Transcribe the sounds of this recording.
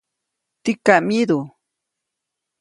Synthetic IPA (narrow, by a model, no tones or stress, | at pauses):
t̪ikamjid̪u